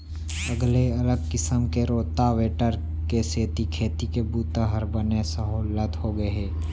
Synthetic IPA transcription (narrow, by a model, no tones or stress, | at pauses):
əɡleɐləɡkɪsəmkeɾoːt̪aʋeːʈəɾ | keseːt̪ikʰeːt̪ikebuːt̪əɦəɾbənesəɦoːlət̪ɦoɡəɦeː